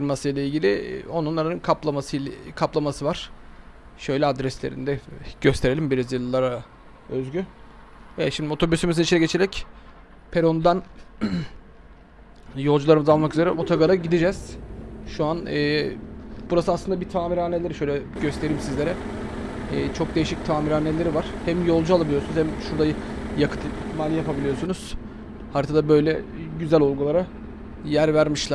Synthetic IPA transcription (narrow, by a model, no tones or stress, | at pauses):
fiɾmasɯjlˠailʲɟilʲɪ̰o̞nunːˠaɾɯnkʰaplˠamasɯkʰaplˠamasɯvaɾ̥ | ʃø̞jlʲɛad̪ɾɛslʲeɾḭnd̪ɛɟ̥øst̪ʰe̞ɾeimbiɾazjɯlˠːaɾa | øzɟy | ɛʃimd̪io̞t̪ʰo̞bysymizinit͡ʃʰinɛɟe̞t͡ʃʰe̞ɾɛc | pʰeɾo̞nd̪an | jo̞lˠd͡ʒulˠaɾɯmɯzalˠmakyzeɾɛ̰o̞t̪ʰaɡaɾaɟid̪id͡ʒɛz̥ʃuanɯː | b̥uɾasɯaslˠɯnd̪abit̪ʰaːmiɾanːelʲeɾiʃø̞jlʲɛɟø̞st̪ʰe̞ɾiimsizlʲe̞ɾɛː | t͡ʃʰo̞k̚d̪e̞jiʃic̚t̪ʰaːmiɾanːelʲe̞ɾivaɾ̥hæmjo̞lˠd͡ʒualˠabilʲijounuzhɛmʃuɾd̪ajjakʰɯ̥t̪ʰit̪ʰːimaːlʲijapabilʲijosunuz̥ | haɾt̪ʰad̪abø̞jlʲɛɟyzælʲolˠɡulˠaɾa | jæɾvæɾmiʃlˠa